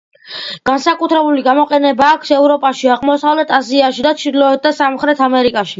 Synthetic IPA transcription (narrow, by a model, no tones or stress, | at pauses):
ɡ̥ansakʼut̪ʰɾɛbuliɡamɔqʼɛnɛbaːkʰsɛvɾɔpʼaʃiaʁmɔsavlɛt̪ʰaziaʃid̪at̪t͡ʃʰɾlɔɛt̪̚d̪asamχɾɛt̪ʰamɛɾikʼaʃi